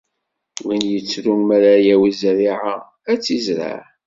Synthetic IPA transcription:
winjət͡sːɾunmæɾajæwizɾiʕa | æt͡sːizɾa̰ʕ

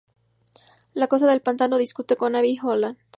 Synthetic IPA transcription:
lako̞s̬aðe̞lpant̪ano̞ðiskut̪e̞ko̞naβixolan

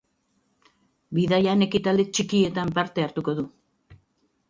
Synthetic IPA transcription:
biðajane̞kit̪ald̪e̞t͡ʃikie̞t̪ampaɾt̪e̞aɾt̪uko̞ðu

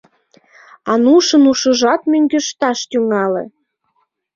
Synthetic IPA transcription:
ɑnuʃənuʃə̆ʒɑt̪møŋɡøʃt̪ɑʃt̪yŋɑlḛ̆

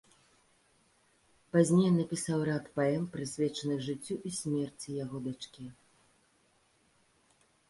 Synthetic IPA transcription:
pazʲnʲejnɐpʲisawrat̪paɛmpɾɨsʲvʲɛt͡ʂɐnɨxʐɨt͡sʲːuʔisʲmʲɛrt͡sʲijaɣɔd̪at͡ʂkʲi

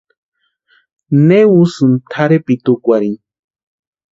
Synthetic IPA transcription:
newusɨnt̪ʰaɾepit̪ukʷaɾin

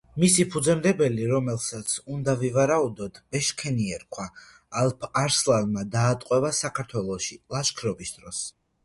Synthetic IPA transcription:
misipʰud̪zɛmd̪ɛbɛliɾɔmɛlˠsat̪sʰund̪avivaɾaud̪ɔt̪ʰbɛʃkʰɛniɛɾkʰwaː | lˠpʰaɾslˠavmad̪aːt̪ʼqʼwɛvasakʰaɾt̪ʰwɛlˠɔʃilˠaʃkʰɾɔbisd̪ɾɔs

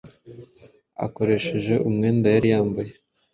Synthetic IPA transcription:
a̰ko̞ɾe̞ʃe̞ʒe̞ʔumŋeːndajaɾijaːmbaje

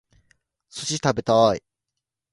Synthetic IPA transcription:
soɕit̪abe̞t̪ai

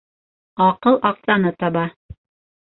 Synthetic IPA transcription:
ɑqɤlˠʔɑqsɑnɤt̪ɑβɑ

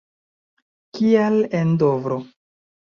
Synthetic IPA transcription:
kialendovɾo

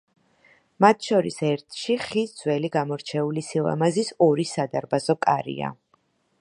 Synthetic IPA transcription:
mat̪ʰʃɔɾisɛɾt̪ʰʃiχisd̪z̥wɛliɡamɔɾt͡ʃʰɛulisilˠa̰mazisɔɾisad̪aɾbazɔkʼaɾḭa̰

